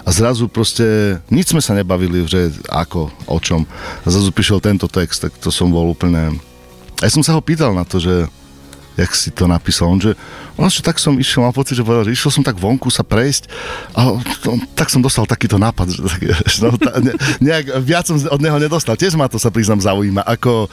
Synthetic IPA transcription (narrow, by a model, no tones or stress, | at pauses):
ʔazɾazupɾɔscɛɲid͡ʒzmɛsaɲɛbaʋiliʒɛa̰kɔɔ̰t͡ʃɔmazɾazupiːʃɛlt̪ɛnt̪ɔt̪ɛkst̪ːakt̪ɔsɔmbɔluːpl̩ɲɛ | ajasɔmsaɦɔpiːt̪alnat̪ɔʒɛ | jaksit̪ɔnapiːsalɔnʒɛɔnɛst͡ʃɛt̪aksɔmiʃɛlmalˠpɔt͡siɟʒɛpɔʋɛdaʒɛiʃɛlsɔmt̪aɡʋɔŋkusapɾɛjscʔaɛɔɔt̪aksɔmd̪ɔst̪alt̪akiːt̪ɔnaːpad̪ʒɛt̪aksɔt̪aɲɛɲɛaɡʋɪat͡sɔmɔd̪ɲɛɦɔɲɛd̪ɔst̪alcɪɛʒmat̪ɔsapɾiznamzaujiːmaʔakɔ